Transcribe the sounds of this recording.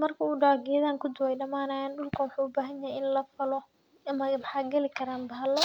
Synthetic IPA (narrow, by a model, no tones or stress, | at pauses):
mɐrkʰɐuːɖaːɡɪjɐðaːŋkʰʊd̪ʊwɛjɖɐmaːnaːjaːnɖʊlkʰɐwʊħuːʊbaːɦɐɲjaɦɛjɪnlɐfɐlɔ | mɐwħɑːɡɛlɪkʰɐɾaːmbɐɦɐlɔ